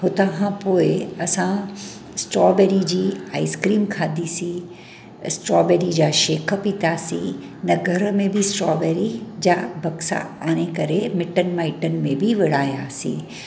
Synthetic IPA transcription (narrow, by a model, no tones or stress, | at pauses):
ɦʊt̪ɐɦãpoːɪɐsã | sʈɾɔːbɛːɾid͡ʑiːa̰ːɪskɾiːmkʰaːd̪ʱisĩ | sʈɾɔːbɛːɾid͡ʑaːʃeːkʰə̆pĩːt̪aːsḭ̃ | nɐɡʱɐɾəmẽbʱɪsʈɾɔːbɛːɾid͡ʑaːbɐksa̰ | aːñekɐɾemɪʈənɪ̆maːɪʈənɪ̆mẽbʱɪʋɪɽ̤aːjaːsḭ̃ː